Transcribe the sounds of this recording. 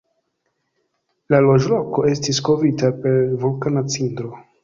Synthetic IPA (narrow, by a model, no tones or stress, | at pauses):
lalo̞ʒloko̞e̞stisko̞vitape̞ɾvulkanat͡sindɾo̞